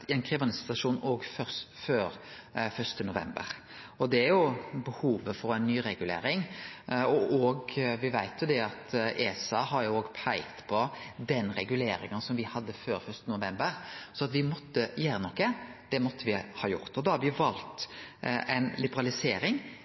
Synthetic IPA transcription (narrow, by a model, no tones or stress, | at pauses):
ɛnkʰɾɪʋɑnəsɪ̥t̪ʋɑʂuːnɔːɡfœst̪føːɾfœʂt̪ənʊʋɛ̰mbə̰ɾ | ɔd̪ɛæɾjʊbəhuːʋəfɔɾæɪnːyːɾɛɡʉlḛːɾɪŋ | ɔʔoɡʋɪʋæɪt̪ʰjʊd̪ɛɑt̪ʔeːsɑhɑɾjʊoːɡpʰæɪɡt̪pʰɔd̪ɛnɾɛ̰ɡʉleːɾɪ̰ŋənsɔmʋɪhɑd̪ːəføːɾfœʂst̪ənʊʋɛmbəɾsɔɑt̪ʋɪmɔt̪ːəjæːɾənɔkːəd̪̥ɛmɔt̪ːəʋɪhɑːjʊ̰ɾt̪ɔd̪ɑːhɑɾʋɪʋɑlt̪ʔæ̰ɪnlɪbəɾɑlɪseːɾɪŋ